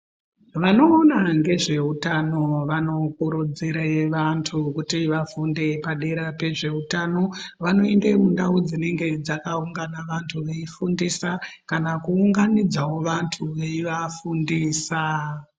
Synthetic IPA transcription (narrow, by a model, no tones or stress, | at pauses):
ʋano̞ːnaŋɡe̞ʐe̞utano̞ʋano̞kuɾud͡ziɾeʋantʰukutiʋafunde̞paɗeɾape̞ʐe̞utano̞ʋano̞e̞ndemundaud͡zine̞ŋɡe̞d͡zakauŋɡanaʋantʰuʋeifundiːsakanakuːŋɡanid͡zawo̞ʋantʰuʋeiʋafundiːsa